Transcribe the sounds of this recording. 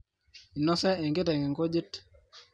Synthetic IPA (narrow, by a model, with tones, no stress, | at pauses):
i˨nɔ˦sɛ˦ɛ˨ŋɡe˦tɛ˨ŋɛ˨ŋɡo˦d͡ʒe˦t